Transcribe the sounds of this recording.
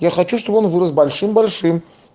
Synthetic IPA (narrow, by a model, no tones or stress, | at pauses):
jaxɐt͡ɕuʂt̪obəonvɨɾəsbɐlʲʂɨmbɐlʲʂɨm